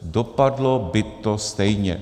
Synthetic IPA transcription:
dopadlɔbɪt̪ːɔst̪ɛjɲɛ̰

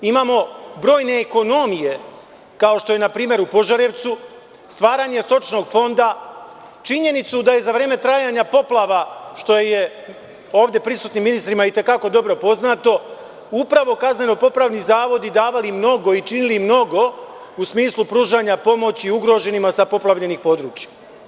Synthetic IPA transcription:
imaːmo̞bɾo̞ːjne̞ːko̞no̞mije̞ | kao̞ʃt̪o̞je̞napɾiːmje̞ɾupo̞ʒaɾeʋt̪su | st̪ʋaːɾaɲe̞st̪o̞t͡ʃno̞ːɡfo̞nd̪a | t͡ʃiɲe̞nit̪sud̪aje̞zaʋɾe̞ːme̞t̪ɾajaɲapo̞plˠaʋaʃt̪o̞jeje̞ | o̞ːʋd̪je̞pɾisuːt̪nimːinist̪ɾimait̪e̞kako̞d̪o̞bɾo̞po̞znat̪o̞ | upɾaʋo̞kazne̞nopo̞plˠaʋnizaːʋo̞d̪id̪aːʋalimno̞ɡo̞it͡ʃinilimno̞ɡo̞ | usmiːslˠupɾuːʒaɲapo̞mo̞t͡ɕiuɡɾo̞ʒe̞nimasapo̞plˠaʋʎe̞nixpo̞d̪ɾuːt͡ɕja

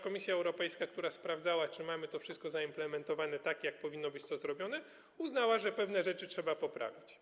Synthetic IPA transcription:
kɔmʲisʲjaɛwɾɔpɛjskakt̪uɾaspɾavd̪awat͡ʂɘmamɘt̪ɔfʂɘst̪̚kɔzaimplɛmɛnt̪ɔvanɛt̪akʲjak̚pɔvʲinːɔbɘt͡ɕt̪ɔzɾɔbʲjɔnɛ | uznawaʐɛpɛvnɛʐɛt͡ʂɘtʂɛbapɔpɾa̰vʲit͡ɕ

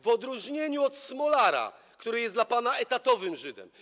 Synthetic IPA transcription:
vɔd̪ɾuʐɲeɲuɔt̪smɔlaɾa̰ | kt̪uɾɘjɛslapanaɛt̪at̪ɔvɘmʐɘd̪ɛ̰m

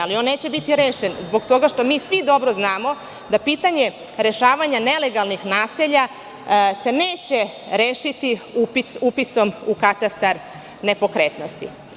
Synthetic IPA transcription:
alio̞nːe̞ːt͡ɕebit̪iɾeːʃenzbo̞ɡt̪o̞ɡaʃt̪o̞miːsʋid̪o̞bɾo̞znaːmo̞ | d̪apit̪aɲe̞ | ɾe̞ʃaːʋaɲane̞le̞ɡalˠnixnaːseʎa | se̞neːt͡ɕe̞ɾeːʃit̪iupit̪upiso̞mukat̪ast̪aɾ | ne̞po̞kɾet̪no̞st̪ḭ

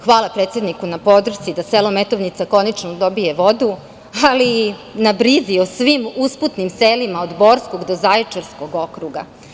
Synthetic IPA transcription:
xʋaːlˠapɾe̞ːt̪sed̪nikunapo̞d̪r̩t̪id̪aselˠome̞t̪oʋnit̪sako̞nat͡ʃnod̪o̞bie̞ʋo̞d̪u | alinabɾiziosʋimusput̪nimselimaod̪bo̞ːɾsko̞ɡd̪ozajt͡ʂaɾsko̞ɡo̞kɾuɡa̰

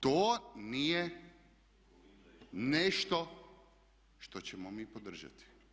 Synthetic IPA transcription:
t̪oːnije | neʃt̪o | ʃt̪ot͡ɕɛmomiːpod̪r̩ʒa̰t̪i̥

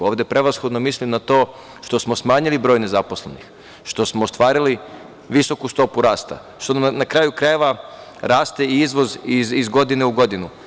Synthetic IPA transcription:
o̞ːʋd̪e̞pɾe̞ʋasxod̪no̞mislimnat̪o̞ː | ʃt̪o̞smosmaːɲilibɾo̞jne̞zaposle̞̰nix | ʃt̪o̞smost̪ʋaːɾili | ʋiso̞kust̪o̞puɾaːst̪a̰ | ʃt̪onnakɾaːjukɾaeʋa | ɾaːst̪e̞iizʋo̞zizizɡo̞d̪ineuɡo̞d̪inu

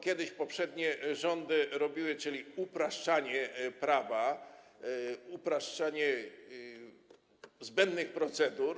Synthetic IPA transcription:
kʲɛd̪ɘɕpɔpʂɛd̪ɲɛʐɔnd̪ɘɾɔbʲiwɘt͡ʂɘlʲiupɾaʂt͡ʂaɲɛpɾava | upɾaʂt͡ʂaɲɛ | zbɛnd̪nɘxpɾɔt̪sɛd̪uɾ

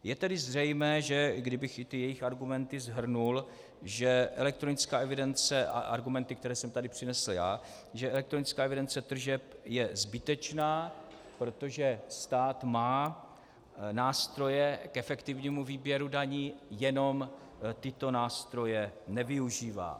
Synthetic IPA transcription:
jɛt̪ɛdɪzr̝ɛjmɛːʒɛɡdɪbɪxɪt̪ɪjɛjɪxaɾɡumɛnt̪ɪzɦr̩nul | ʒɛʔɛlɛk̚t̪ɾo̞nɪt͡skaːʔɛvɪdɛnt͡sɛʔa̰ʔa̰ɾɡumɛnt̪ɪkt̪ɛɾɛːsɛmt̪adɪpr̝̥ɪnɛsl̩ja̰ː | ʒɛʔɛlɛkt̪ɾo̞nɪt͡skaːɛvɪdɛnt͡sɛt̪r̩ʒɛpjɛzbɪt̪ɛt͡ʃnaː | pɾo̞t̪o̞ʒɛst̪aːt̪maː | naːst̪ɾo̞jɛkɛfɛkt̪ɪvɲiːmuviːbjɛɾudaɲiːjɛno̞m | t̪ɪt̪o̞naːst̪ɾo̞jɛnɛvɪuʒiːva̰ː

